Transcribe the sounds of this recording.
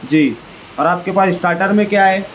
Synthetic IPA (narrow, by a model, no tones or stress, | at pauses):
d͡ʒiː | ɔːɾaːp̚kepaːsɪsʈaːɾʈəɾmẽkjaɦeː